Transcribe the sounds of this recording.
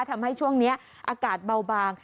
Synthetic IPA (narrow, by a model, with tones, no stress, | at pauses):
t̪ʰa˧mha˥˩jt͡ɕʰu˥˩əŋni˦˥ɐ | ʔaː˧kaː˨˩t̪̚ba˧wbaː˧ŋ